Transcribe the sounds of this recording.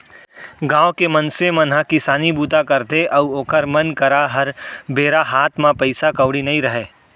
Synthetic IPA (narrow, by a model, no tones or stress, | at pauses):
ɡãːʋkemɐnsemɐnɦəkɪsaːnibuːt̪akɐɾt̪eʔɐʋoːkəɾmɐnkɐɾaɦɐɾbeːɾaɦaːt̪ʰmãpɐɪsakɐʊɽinɐɦĩɾɐɦeː